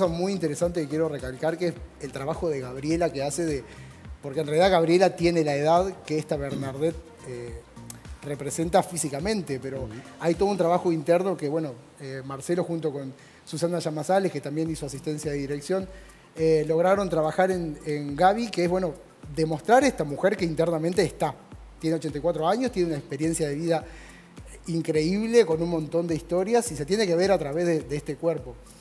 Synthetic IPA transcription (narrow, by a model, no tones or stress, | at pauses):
samujint̪eɾesant̪ekikje̞ɾo̞re̞kalkaɾkeeselt̪ɾaβaxo̞ðe̞ɣaβɾje̞lakease̞ðe | po̞ɾkenrealiðaɣaβɾje̞lat̪je̞ne̞laeðaðkeeht̪aβeɾnaɾðet̪̚ | e | re̞pɾese̞nt̪afisikamẽ̞nt̪e̞pe̞ɾo̞ajt̪oðunt̪ɾaβaxo̞int̪eɾno̞keβwe̞no̞ | emaɾse̞lo̞xunt̪o̞ko̞n | susanaʃamasalehket̪ambje̞nisoasist̪e̞nsjaðeðiɾe̞ksjo̞n | elo̞ɣ̞ɾaɾo̞nt̪ɾaβaxaɾe̞neŋɡaβikeeɦβwe̞no̞ | ðe̞mo̞st̪ɾaɾest̪amuxeɾke̞int̪eɾnament̪eːst̪at̪je̞neo̞t͡ʃent̪ajkwat̪ɾo̞aɲost̪jenunaekspeɾje̞nsjaðe̞βiða | iŋkɾe̞iβle̞ko̞nunmõ̞nt̪o̞nd̪eist̪o̞ɾjasiset̪je̞ne̞ke̞βe̞ɾat̪ɾaβe̞zðed̪eest̪ekweɾpo̞